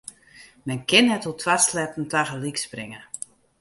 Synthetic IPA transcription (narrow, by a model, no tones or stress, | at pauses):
mɛnkʰɪnhɛtotʰwaslɛtn̩taɣəliksprɪŋə